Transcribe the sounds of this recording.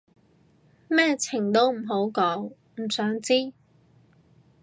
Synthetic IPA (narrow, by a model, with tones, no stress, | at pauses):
mɛː˥t͡sʰɪ˨˩ŋt̪o˥wm̩˨˩ɦo˨˥wkɔː˨˥ŋ | m̩˨˩sœː˨˥ŋt͡siː˥